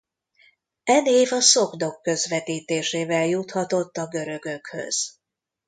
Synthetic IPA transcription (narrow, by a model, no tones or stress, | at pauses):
ɛneːvɒso̞ɡd̪o̞kːø̞zʋɛt̪iːt̪eːʃeːvɛljut̪hɒt̪o̞t̪ːɒɡø̞ɾø̞ɡø̞khø̰z̥